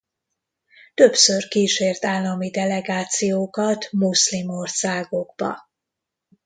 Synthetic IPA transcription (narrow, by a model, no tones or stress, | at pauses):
t̪ø̞psørkiːʃeːrt̪aːlːɒmid̪ɛlɛɡaːt̪sijoːkɒt̪muslimorsaːɡo̞ɡbɒ̰